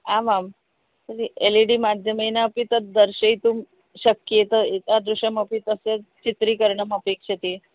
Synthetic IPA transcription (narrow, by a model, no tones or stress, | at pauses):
amam | t̪əɾieliɖiːmad̪ʱjəməjinapiːt̪əɾd̪əɾɕəit̪uːm | ɕəkjet̪əet̪ad̪ɾuɕəməpit̪əset͡ɕit̪ɾiːkəɾɳəməpekɕet̪i